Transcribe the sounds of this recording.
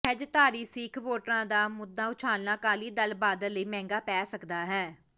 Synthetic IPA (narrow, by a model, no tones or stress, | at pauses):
əd͡ʒt̪aːɾiːsiːkʰʋoːʈɾãːd̪aːmʊd̪aːʊt͡ʃʰaːlnãːkaːliːd̪əlbaːd̪ələiːmɛ̃ːŋɡaːpɛːsəkd̪aːɦɛː